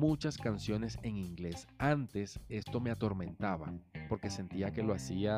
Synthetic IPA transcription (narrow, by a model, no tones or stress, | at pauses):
mut͡ʃaskansjo̞ne̞se̞ŋiŋɡle̞sant̪e̞se̞st̪o̞me̞at̪o̞ɾmẽ̞nt̪aβa̰po̞ɾke̞se̞nt̪iake̞lo̞asia